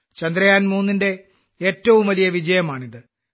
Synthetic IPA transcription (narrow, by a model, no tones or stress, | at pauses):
t͡ɕɐnd̪ɾɐjaːnmuːnːinde̞ | eːtːɐʋumʋɐlijɐʋid͡ʑɐjɐmaːɳiðɨ